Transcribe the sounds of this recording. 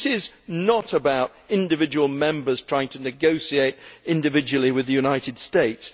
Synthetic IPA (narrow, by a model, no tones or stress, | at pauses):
sɪznəɾəbaʊɾ | ɪ̃ndɨvɪd͡ʒəwl̩ˠmɛ̃mbə˞z̥tʰɹ̥aɪɪ̃ŋtʰɨnɨɡoʊsieɪɾɪ̃ndɨvɪd͡ʒəwl̩ˠiwɨðɨjʉnaɪɾɨd̥steɪts